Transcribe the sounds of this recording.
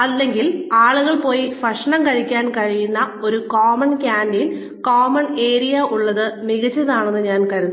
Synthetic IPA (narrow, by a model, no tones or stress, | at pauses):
ɐlːe̞ŋɡilaːɭuɣɐɭpo̞ːjifɐʂɐɳɐmkɐɻikʲːaːnkɐɻijunːɐo̞ɾukoːmɐnkʲaːndin | koːmɐɳe̞ːɾijɐʔuɭːɐðɨmiɣɐt͡ɕːɐðaːɳenːɨɲaːnkɐɾunː